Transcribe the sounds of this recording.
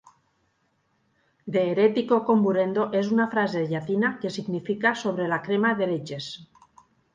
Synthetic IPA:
d̪eːɾet̪iko̞ko̞mbuɾe̞nd̪o̞ʔe̞sunafɾazeðʝaθinakesiɣnifikaso̞β̞ɾe̞lakɾemaðe̞ɾet͡ʃe̞s

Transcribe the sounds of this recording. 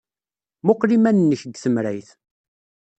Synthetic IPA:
mʊqlimænnːəçəɡθəmɾæjθ

